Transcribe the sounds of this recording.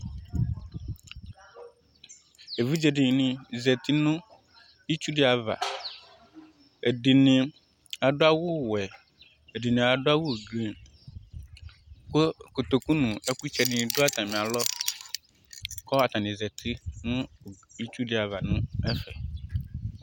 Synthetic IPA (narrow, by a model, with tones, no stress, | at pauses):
e˨vu˦d͡ʒɛ˨ɖɪ˨nɪ̃˨zɛ˨t̪i˦nʊ̃˦ | i˦t͡ʃu˦ɖɪ˦a˨va̰˨ | e˨di˨nɪ̃˨ | a˨ɖʊ˦a˦wʊ˦wɛ˨ | e˨ɖi˨nɪ̃˨a˨ɖʊ˦a˦wʊ˦˨ɡe˨ | kko˨t̪o˨ku˦nũ˨ɛ˦ku˦t͡ʃɛ˦ɖɪ̃˨˦˨dʊ˦a˦t̪ã˨mĩ˨a˨lɔ˦ | kɔ˦a˨t̪a˨nɪ̃˨zɛ˨t̪ʰi˦nʊ̃˦ | i˦t͡ʃu˦ɖɪ˦a˨va˨nʊ̃˦ɛ˦fɛ̰˨